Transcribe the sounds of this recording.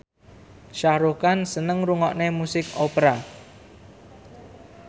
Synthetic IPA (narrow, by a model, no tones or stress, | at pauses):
ʃahɾukansənəŋɾuŋɔʔnemusɪkopɾa